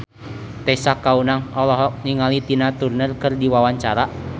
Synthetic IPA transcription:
t̪ɛsakaunaŋɔlɔɦɔk̚niŋalit̪inat̪urnərkɨrdiwawaɲt͡ʃaɾa

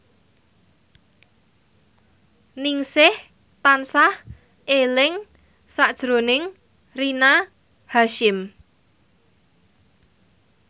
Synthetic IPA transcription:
niŋsɪh | t̪ansah | ʔelɪŋ | sad̥ʒ̥ɾo̤nɪŋ | rina | haʃɪm

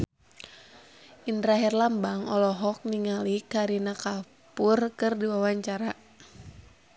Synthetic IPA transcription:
ʔindɾaɦɛrlambaŋɔlɔɦɔk̚niŋalikaɾinaka | purkɨrdiwawaɲt͡ʃaɾa

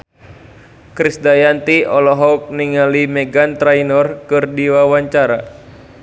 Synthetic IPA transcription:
kɾisdajant̪iɔlɔɦɔk̚niŋalimɛɡant̪ɾainɔrkɨrdiwawaɲt͡ʃaɾa

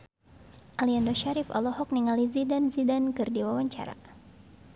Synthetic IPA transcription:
ʔaliandɔʃaɾifa̰lɔhɔk̚niŋalizidanzidankɨrdiwawaɲt͡ʃa̰ɾa̰

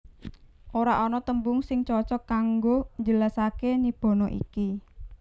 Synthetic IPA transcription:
ʔoɾaʔɔnɔt̪əmbʊŋsɪŋt͡ʃɔt͡ʃɔkːaŋɡoɲd͡ʒəlasakenib̥ɔ̤nɔʔḭki

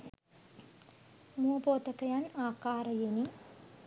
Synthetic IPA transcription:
muɐpoːt̪əkəjanaːkaːɾəjeni

